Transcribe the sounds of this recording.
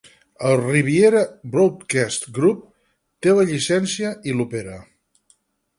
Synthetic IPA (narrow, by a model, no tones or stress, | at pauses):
əlˠriβ̞ieɾəbɾowt̪kɛst̪ɡɾup̚ | t̪ewəʎisɛnsiəʔilupeɾə